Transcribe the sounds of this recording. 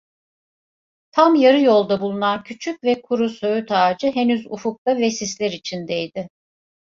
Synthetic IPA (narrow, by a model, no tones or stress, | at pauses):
t̪ʰamjaɾɯjo̞lˠd̪abulˠunancʰyt͡ʃʰycvɛkʰuɾusøjyt̪ʰaːd͡ʒɯɦenyzufuk̚t̪avɛsislʲɛɾit͡ʃʰind̪ɛjd̪ɪ